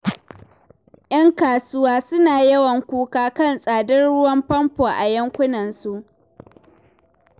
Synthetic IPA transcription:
ʔj̰ɐ˦ŋkaː˨sʊ˦waː˦sʊ˦naː˨jɐ˦wɐ˨ŋkʷuː˦kaː˦kɐ˦˨nsʼaː˨dɐ˦rɽʊ˦wɐ˦mpɐ˦mpoː˨ʔa˨jɐ˦ŋkʷʊ˦nɐ˨nsu˦ʔ

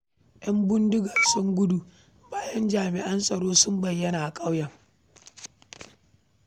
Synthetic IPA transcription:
ʔɐ˦mbʊ˦ndɪ˦ɡaː˨sʊ˦ŋɡʷʊ˦du˦˨ | baː˦jɐ˦nd͡ʒaː˨mɪ˨ʔɐ˦nsʼɐ˨ɽoː˦sʊ˦mbɐ˨jːɐ˦naː˨ʔa˨kʼa˦wjɐ˨ŋ

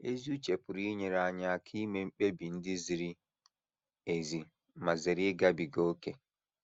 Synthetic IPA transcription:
ʔe˦zu˦t͡ʃepu˨ɾiː˦ɲi˨ɾaɲa˨kʰiː˦mɛmɓɛ˦bi˨ndi˦ziɾi | ezi | ma˨ze˨ɾi˦ɡabiɡɔː˦kɛ

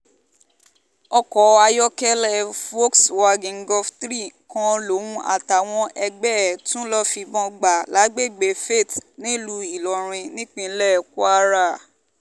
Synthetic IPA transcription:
ɔ˧kɔ˨a˧jɔ˦kɛ˦lɛ˦˨fo˦kswa˧ɡĩ˨ŋ̩˦ɡɔ˧ftɾi˦˨kã˨˧lo˨˦wũ˧ʔa̰˨ta˨w̃ɔ̃˧ʔɛ˧ɡ͡bɛ˦˨tũ˦lɔ˦fi˧bɔ̃˧ɡ͡ba˨la˨˦ɡ͡be˦˨ɡ͡be˨fe˦˨tnĩ˨˦lu˧i˨lɔ˨ɾ̃ĩ˧nĩ˦k͡pĩ˧˦lɛ˦˨ku˦a˦ɾa˦˨

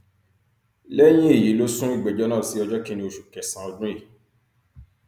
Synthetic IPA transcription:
lɛ˦j̃ĩ˦e˦˨ji˨˦lo˦sũ˦i˦˨ɡ͡bɛ˨d͡ʒɔ˦nã˦˨si˨˦ɔ˧d͡ʒɔ˦kĩ˦˧nĩ˦o˨ʃu˨kɛ˨sã˨ɔ˧dũ˦i˦˨

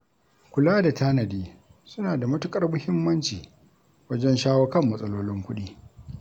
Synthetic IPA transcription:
kʷʊ˨laː˦da˨tʰaː˦nɐ˨diː˦ | sʊ˦naː˨da˨mɐ˦tʊ˦kʼɐ˦rmʊ˦hɪ˦mːɐ˦nt͡ʃiː˨ | wɐ˦d͡ʒɛ˦nʃaː˦wɐ˦kɐ˦˨mːɐ˦sʼɐ˦loː˦lɪ˦ŋkʷʊ˦ɗiː˦

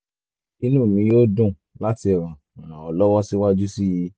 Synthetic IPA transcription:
i˧nũː˦˨mĩ˧jo˦dũ˦˨ | la˦ti˧ɛ˨ɾ̃ã˨ | ã˨ɾã˨ɔ˨lɔ˦wɔ˦si˦wa˦d͡ʒu˦si˦ji˧

